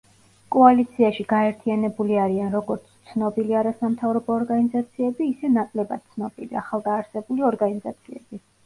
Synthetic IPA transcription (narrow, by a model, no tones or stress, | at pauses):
kʼɔalit̪sʰiaʃiɡaɛɾt̪ʰianɛbuliaɾianɾɔɡɔɾt̪sʰt̪sʰnɔbiliaɾasamt̪ʰavɾɔbɔːɾɡanizat̪sʰiɛbiːsɛnakʼlɛbad̪̥̚t̪sʰnɔb̥ilia̰χalˠɡaːɾsɛbuliɔɾɡanizat̪sʰiɛ̰b̥i